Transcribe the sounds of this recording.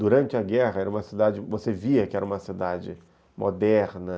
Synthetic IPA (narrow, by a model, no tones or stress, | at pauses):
d̪uɾɐ̃nt͡ʃɪɐɡɛɦɐɛɾɐũmɐsid̪ad͡ʒɪvoseviɐkɪɛɾɐũmɐsid̪ad͡ʒɪ | mʔo̰d̪ɛɾnɐ